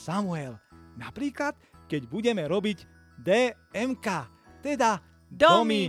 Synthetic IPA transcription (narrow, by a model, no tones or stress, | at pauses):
samuɛlnapɾiːklat̪kɛɟbuɟɛmɛɾɔbiɟ | d̪ɛː | ɛmkaː | t̪ɛd̪a | d̪ɔmi